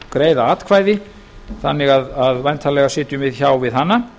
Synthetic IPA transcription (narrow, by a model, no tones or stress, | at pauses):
kɾeːjðaaːt̪kʰvaːjðɪ | θa̰nːɪɣaðaðvajnt̪ʰalɛɣasɪːt̪ʏmvɪðçaːwvɪðɦanːa